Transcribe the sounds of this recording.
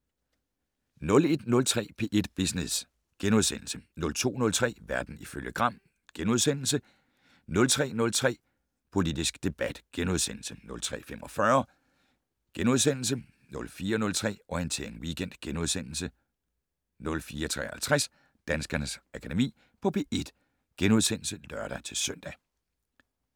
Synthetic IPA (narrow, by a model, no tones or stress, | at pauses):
nɔ̽le̝d̥nɔ̽lt͡sʰʁɛ̰ːpʰe̝ːʔe̝d̥b̥isnes | ɡ̥enuðˠsen̰l̩sənɔ̽lt͡sʰo̝̰ːnɔ̽lt͡sʰʁɛ̰ːʋæɐd̥n̩iføljəɡ̥ʁɑ̈m̰ | ɡ̥enuð̞ˠsen̰l̩sə | nɔ̽lt͡sʰʁɛ̰ːnɔ̽lt͡sʰʁɛ̰ː | pʰo̝lid̥isɡ̥d̥e̝b̥æd̥ɡ̥enuð̞ˠsen̰l̩sənɔ̽lt͡sʰʁɛ̰ːfemʔɒ̽fɶːɐ | ɡ̥enuð̞ˠsen̰l̩s̬ə | nɔ̽lfiːɐnɔ̽lt͡sʰʁɛ̰ːɒiənt͡sʰḛɐeŋwiɡ̥en̰d̥ɡ̥enuð̞ˠsen̰l̩sə | nɔ̽lfiːɐt͡sʰʁɛ̰ːhæ̰lt͡sʰʁas | d̥ænsɡ̥ɐnəsækʰæd̥e̝mḭː | pʰɒ̽b̥e̝ʔe̝d̥ | ɡ̥enuð̞ˠsen̰l̩səlɶɐ̰ɾ̥ɐt͡sʰe̝sœn̰d̥æ